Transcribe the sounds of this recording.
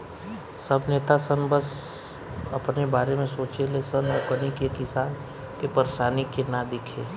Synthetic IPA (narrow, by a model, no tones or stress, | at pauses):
səbneːt̪asənbəs | ɐpnebaːɾemẽsoːt͡ʃelesənɔkənikekɪsaːn | kepəɾʃaːnikenad̪ɪkʰeː